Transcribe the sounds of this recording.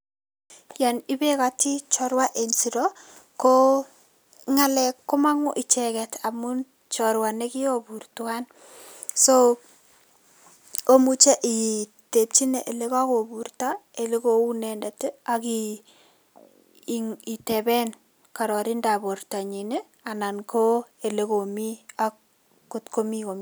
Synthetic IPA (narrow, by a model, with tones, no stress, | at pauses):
ja˨nɪ˦be˦kati˦t͡ʃɔɾwa˦ʔe˨nsi˨ɾɔko | ŋa˨lɛkːʊ˦ma˦ŋʊ˦ʔɪ˨t͡ʃɛkɛtʰa˨mun | t͡ʃɔɾwa˨ne˦ki˦oburtʊan | so | o˦mu˦t͡ʃe˦ʔi˨te˨p̚t͡ʃi˦ne˨ʔe˨le˦ka˦ko˨bu˨ɾta˦e˨le˦ko˦u˦nɛnda˨te˦aki | i˨tɛbɛ˦n | ka˨ɾɔ˨ɾi˦ndabo˨ɾta˨ɲi˨ne˦ | a˨na˨nko˦e˨le˦ko˨mi˦ak | kːʊ˦tko˦mi˦ko˨m